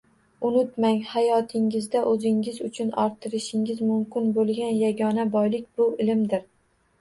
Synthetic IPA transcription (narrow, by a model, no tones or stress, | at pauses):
ʊnɪt̪maŋhajɒt̪ʰɪŋɪzd̪aʔɵzɪŋɪzʊt͡ʃʰʊnɒ̰ɾt̪ʰɪɾɪʃɪŋʲɪzmʊmkʲɪnbolˠɡʲanjaɡʲɒnabɒjlɪkʲbʊɪlɪmd̪ɪɾ